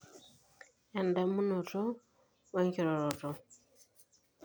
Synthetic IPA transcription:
ɛ˨nda˨mu˦nɔ˨tɔ˦ | wa˦ŋki˨ɾɔ˨ɾɔ˨tɔ˨

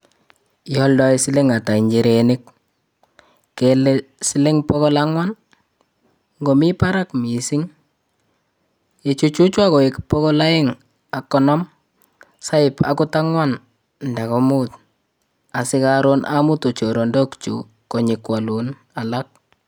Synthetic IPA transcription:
jɔldɔ˦i˦sɪ˦le˦ŋa˨ta˨iɲd͡ʒi˨ɾenɪk̚ | kelesɪ˦lɪ˦ŋpɔɣɔ˦laŋwan | ŋɡomi˦pa˦ɾakmi˨siŋ | et͡ʃut͡ʃu˦t͡ʃwa˦ko˨ɪ˨kpɔ˦kɔ˦la˦ɪ˦ŋ | a˨kːɔnɔ˦m | sa˦ɪpa̰kʊ˦ta˦ŋwan | nda˨ko˦mut̚ | a˨sɪ˦kaɾonʔa̰mu˦to˨t͡ʃo˨ɾo˨ndokt͡ʃṵ˨ | ko˨ɲɪkwa˨lun | a˨lak̚

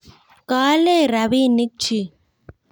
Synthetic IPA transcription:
kaː˦le˦ɾa˨βi˦nɪ˦k̚t͡ʃʰi˦

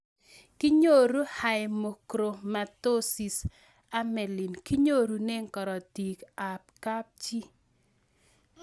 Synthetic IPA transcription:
ki˦ɲo˦ɾu˦ha˨jmo˨kɾo˨ma˨to˦si˨s | a˦mɛ˨lɪ˨nki˦ɲo˦ɾu˨ne˦ŋkɔ˨ɾɔ˨ti˨ka˨p̚ka˦p̚t͡ʃi˦

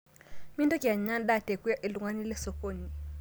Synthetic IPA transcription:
mi˦ndɔ˦ki˨a˨ɲa˦n˦da˦˨te˨kwa˦ʔi˨lu˨ŋa˦ni˦lɛ˦sɔ˨ko˦˨ɲi˨

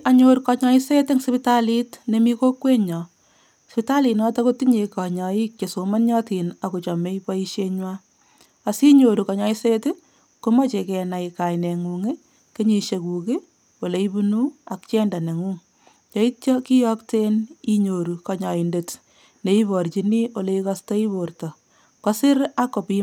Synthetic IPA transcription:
aɲo˦ɾkɔ˧ɲɔ˦i˦se˦te˦ŋspi˦ta˦li˦tne˨mi˦ko˦kwe˦ɲɔ˨ | spi˦ta˦li˨nɔ˦tɔ˦ko˦tiɲe˧kɔ˨ɲɔ˨i˦kt͡ʃe˨so˨ma˦nɲɔ˦ti˨na˨ku˨t͡ʃɔ˨me˦ipɔ˦i˦ʃeɲwa˦ | a˨si˦ɲo˨ɾu˨kɔ˨ɲɔ˦i˦se˦te˦ | ko˦mɔ˦t͡ʃe˨kɛ˨na˨ika˨jne˨ŋu˨ŋe˦ | ke˦ɲe˨ʃe˨ku˨ki˦ | wo˨le˨i˦bu˦nu˦akt͡ʃɛ˦nda˨ne˨ŋuː˦ŋ | t͡ʃɔ˦i˦tt͡ʃɔ˦ki˦jɔ˦kte˦ni˦ɲo˨ɾu˨kɔ˨ɲɔ˨i˨nde˨t | ne˨i˦βɔ˨ɾt͡ʃi˨ni˦o˨le˦i˦kɔstɔ˦i˦bo˨rtɔ˨ | kɔ˦sɪ˦ɾa˦kɔ˨pi

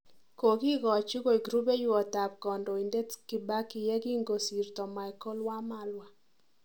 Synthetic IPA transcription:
ko˨ɡi˦ɡɔ˨t͡ʃɪ˦ko˦i˨ɡɾu˦be˦jʊ˦ɔ˨ta˨p̚kɔ˨ndɔ˨i˨nde˦tkɪ˨ba˦kɪ˨jɛ˦ɡi˦ŋɡo˨si˨ɾtɔ˨ma˨ɛ˨kɔ˦lwa˦ma˦lwa˨

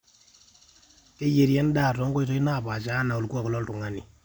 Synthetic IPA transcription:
ke˦je˨ɾjɛ˦n˦daː˦˨tɔ˦ŋkɔ˦i˦tɔ˦i˦na˦˨pa˨t͡ʃa˦na˨u˨lkwa˦kɔ˨lɔ˦ltu˨ŋa˦ni˨

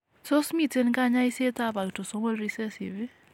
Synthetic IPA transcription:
so˦smi˦˨te˦nka˦ɲa˦ɪ˦se˦t̪a˦ba˨ɡto˨so˦ŋo˦lɾi˦sɛ˦sḭ˨vi˦

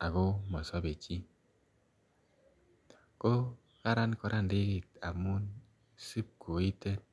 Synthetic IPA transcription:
a˨ɣo˦mɔ˨sɔ˦be˨t͡ʃi˦ | ko˦ | ka˦ɾa˦nkɔ˨ɾʔa˦n˨de˦ki˨ta̰˨mu˦n | si˦p̚ko˨i˦te˦n

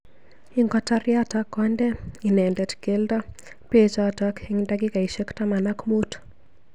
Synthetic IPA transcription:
ɪŋɡɔta˦rjatakɔndɛ˦i˨nɛndɛ˨tke˦ldɔ˦ | pet͡ʃatɔkɪŋndaɡɪ˦ka˨i˨ʃe˦ktama˨na˦kmu˦t

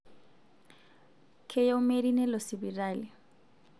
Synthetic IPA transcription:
kʰe˦jaʊmeɾi˦nɛ˦lɔ˨sɪbi˨raːlɪ˨

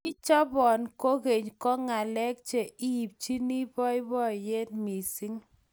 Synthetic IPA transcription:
i˦t͡ʃɔ˦bɔ˨nko˦ɣe˨ɲkɔ˦ŋa˨lɛ˦k̚t͡ʃe˨i˦˨p̚t͡ʃi˦ni˦bɔ˦ɪ˦bɔ˦je˦tmi˨si˦ŋ

